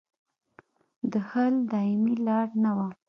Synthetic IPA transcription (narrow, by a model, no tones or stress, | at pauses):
d̪əhəld̪ɑɪmilɑɽnawa